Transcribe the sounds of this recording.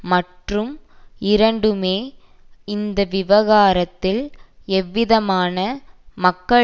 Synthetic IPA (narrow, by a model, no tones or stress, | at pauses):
mɐʈrɯmɪɾɐɳɖɯmeː | ɪnd̪ɐʋɪʋɐɣaːɾɐt̪ːɪlɛʋːɪðɐmaːnɐmɐkːɐ